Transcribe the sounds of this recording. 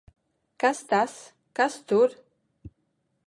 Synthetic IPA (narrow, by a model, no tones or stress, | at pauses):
kast̪as | kast̪uɾ